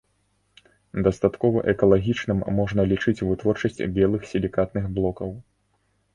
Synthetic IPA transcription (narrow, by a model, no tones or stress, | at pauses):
d̪ɐst̪at̪kɔvɐʔɛkɐlˠaɣʲit͡ʂnɨmːɔʐn̪ɐlʲit͡ʂɨt͡sʲvɨt̪vɔrt͡ʂɐsʲt͡sʲbʲɛlˠɨxsʲilʲikat̪̚nɨxblˠɔkɐw